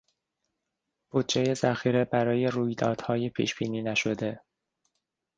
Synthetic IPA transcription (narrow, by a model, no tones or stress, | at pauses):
b̥ud̪̚d͡ʒeje̞zæxiːɾe̞bæɾɒːje̞ruːjd̪ɒːd̪̥hɒːje̞pʰḭːʃb̥iːniːnæʃo̞d̪e̞